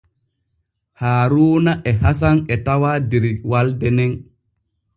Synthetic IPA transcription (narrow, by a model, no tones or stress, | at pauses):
haːɾuːnaʔɛhas̬anɛtawaːdeɾiwaldɛnɛn